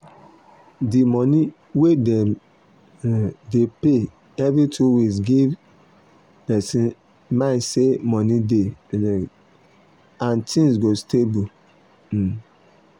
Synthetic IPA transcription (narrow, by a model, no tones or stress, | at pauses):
dimɔni | wedɛ | depe | ɛvɾitʰuwiɡiv | pɛsĩn | maɪsemɔnidelɛ | ãntʰĩŋs̬ɡostebu